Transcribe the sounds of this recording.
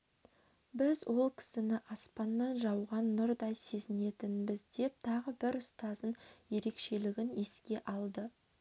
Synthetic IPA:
bɪzwʔo̞lˠkʲʰɪ̥sɪnɪʔɑspɑnːɑnʒɑwʁɑnːʊɾd̪ɑjse̞zɪne̞t̪ɪnbɪzd̪e̞p̚t̪ʰɑʁəbɪɾʊst̪ɑzənje̞ɾe̞kʃe̞lɪɡʲɪne̞skʲe̞ʔɑlˠd̪ə

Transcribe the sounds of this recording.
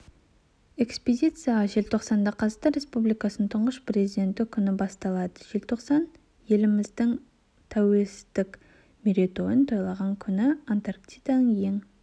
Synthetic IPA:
e̞ksped̪ʲijt̪sɨjaʒe̞lt̪ʰo̞qsɑnd̪ɑqʰɑzt̪ɑɾʲe̞spublijkɑsənənt̪ʰʊɴʁəspre̞zʲid̪ʲe̞nt̪ɪkʲʰʏnɪbɑst̪ɑlˠɑd̪ə̥ʒ̥e̞lt̪ʰo̞qsɑn | je̞lɪmɪzd̪ɪŋ | t̪ʰæwe̞lsɪzd̪ɪk | meɾʲet̪o̞jənt̪ʰo̞jlˠɑʁɑŋkʲʰʏnɪant̪arkt̪ʲijd̪ɑnəɴje̞ŋ

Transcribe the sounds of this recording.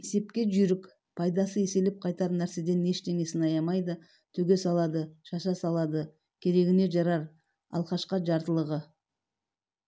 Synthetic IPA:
ese̞p̚kʲe̞ʒʏɾɪkʲ | pʰɑjd̪ɑsəese̞lɪp̚qʰɑjt̪ɑɾnæɾse̞d̪e̞nːe̞ʃt̪e̞ŋe̞sɪnɑjɑmɑjd̪ə | t̪ʰɵɡʲe̞sɑlˠɑd̪əʃɑʃɑsɑlˠɑd̪ə | kʲʰe̞ɾe̞ɡʲɪne̞ʒɑɾɑɾ | ɑ̰lˠqɑʃqɑʒɑɾt̪əlˠəʁə

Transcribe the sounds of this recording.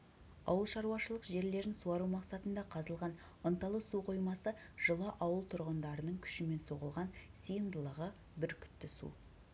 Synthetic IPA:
ɑ̰wəlˠʃɑɾuwɑʃəlˠəqʒe̞ɾle̞ɾɪnsuɑɾumɑqsɑt̪ənd̪ɑqʰɑzəlˠʁɑn | ənt̪ɑlˠəsuqʰojmɑsəʒ̥əlˠɑʔɑwəlˠt̪ʰʊɾʁənd̪ɑɾənəɴkʲʰʏ̥ʃɪme̞nso̞ʁəlˠʁɑnsijənd̪əlˠəʁə | bɪɾkʲʰʏ̥t̪ːɪsṵ

